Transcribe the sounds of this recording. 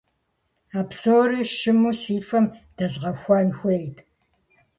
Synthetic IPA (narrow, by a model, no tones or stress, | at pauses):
aːpsoːriʃɨmusiːfɐmd̥ɐzʁɐxʷɐnxʷejtʰ